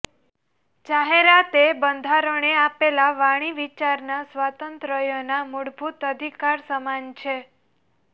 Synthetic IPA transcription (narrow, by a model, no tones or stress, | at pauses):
d͡ʒaɦeɾat̪ebənd̪ʱaɾəɳ̃eapelaʋaɽ̃iʋit͡ʃaɾnasʋat̪ənt̪ɾəjonamuɽbʱut̪əd̪ʱikaɾsəmant͡ʃʰe